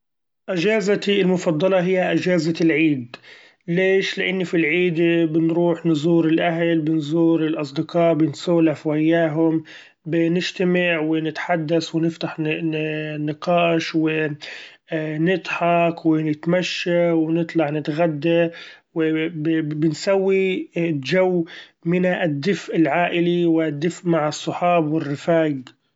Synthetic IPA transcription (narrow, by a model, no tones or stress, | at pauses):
ʔɪʒaːzat̪ilmʊfɑd̪ˤːɑlɑɦɪjːaʔɪd͡ʒaːzalʕiːd̪ | leːʃlɪʔɪnːifilʕiːd̪bɪnɾuːħnzuːɾɪlʔaɦlbɪnzuːɾɪlʔɑsˤd̪ɪqɑːʔbɪnsaːlafwajːaːɦʊm | bɪnɪʒt̪amaʕwɪnɪt̪ħad̪ːaswɪnɪft̪aħ | nɪqɑːʃwɪ | nɪd̪ħɑqwɪnɪt̪maʃːawɪnɨt̪ˤlɑʕnɪt̪ɣad̪ːawɪbɪnsawːid͡ʒawːmɪnaʔad̪ːɪfʔɪlʕaːʔɪliwd̪ːɪfʔmaʕɑsˤːʊħɑːbwɪrːɪfaːɡ